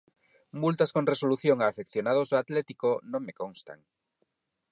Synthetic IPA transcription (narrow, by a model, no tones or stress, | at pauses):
mult̪askoŋresoluθjoŋaːfekθjonaðozðoat̪lɛt̪ikonõŋmekõŋst̪a̰ŋ